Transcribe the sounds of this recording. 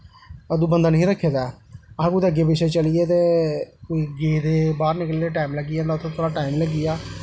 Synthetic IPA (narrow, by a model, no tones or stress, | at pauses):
əd̪ũːbənd̪aːnəɦĩːɾəkʰːeːd̪aːəãkud̪eəɡːeːbɪʃeːt͡ʃəlɪjeːt̪eːoiɡeːd̪eːbaːɾnɪkleːeːʈaːimləɡɪjaːnɔ̃t̪ʰõːt̪ʰoːɽaːʈaːimləɡɪjaː